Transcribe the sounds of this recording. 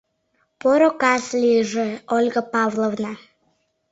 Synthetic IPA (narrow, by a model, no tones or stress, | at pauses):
poɾokɑslʲijʒeolʲɡapɑvlˠovna